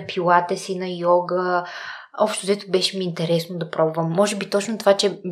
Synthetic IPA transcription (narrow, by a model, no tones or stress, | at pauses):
pʰilˠat̪ɛsinɐjɔɡə | ɔpʃt̪ʊd̪ɛt̪ʊbɛʃɛmiːnt̪ɛɾɛsnod̪ɐpɾɔbuvəmːɔʒɛbit̪ɔt͡ʃnot̪ovat͡ʃɛ